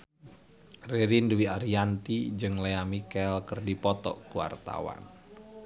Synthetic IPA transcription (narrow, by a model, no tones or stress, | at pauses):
reɾinduwiaɾiant̪id͡ʒɨŋleamikɛlkərdipɔt̪ɔ̰kuwa̰rt̪a̰wa̰n